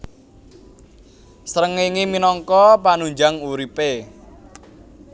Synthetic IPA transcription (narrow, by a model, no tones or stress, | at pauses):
səɾəŋeŋiminɔŋkɔpanuɲd͡ʒaŋuɾipe